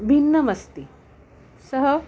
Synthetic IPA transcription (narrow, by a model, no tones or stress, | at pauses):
bʱinːɐmɐst̪i | səɦə